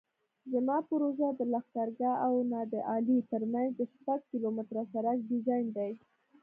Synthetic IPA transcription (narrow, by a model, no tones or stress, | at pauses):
zəmɑpʊɾoʒad̪əlaxt̪aɾɡɑawnɑd̪əʔɑlit̪əɾmanzd̪əʃpaɡ̚kilomɪt̪ɾasaɾaɡ̚ɖizɑjnd̪aj